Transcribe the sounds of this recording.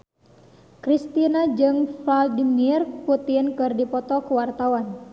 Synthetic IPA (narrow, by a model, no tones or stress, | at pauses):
kɾist̪inad͡ʒɨŋflaldimirput̪iənkɨrdipɔt̪ɔkuwart̪awan